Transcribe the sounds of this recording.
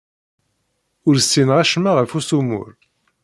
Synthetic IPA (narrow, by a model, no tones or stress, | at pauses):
ʊɾsːinʁæʃmaʁəfusumʊ̰ɾ